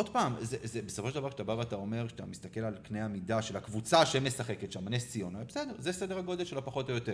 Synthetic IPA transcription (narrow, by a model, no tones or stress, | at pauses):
o̞d̥paːmzezebesofoed̪avaʁkʃe̥t̪abavat̪ao̞me̞ʁʃeat̪a̰mist̪ake̞lalknejamidaʃelhakvut͡saʃeme̞saχe̞ket̪ʃamanest͡sijonabesedeʁzesed̪eʁaɡo̞delʃeloapaχo̞tojot̪e